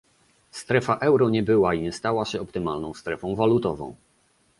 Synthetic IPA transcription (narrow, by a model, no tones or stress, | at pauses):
st̪ɾɛfaʔɛwɾɔɲɛbɘwaiɲɛst̪awaɕɛɔpt̪ɘmalnɔ̃w̃st̪ɾɛfɔ̃w̃valut̪ɔvɔ̰̃w̃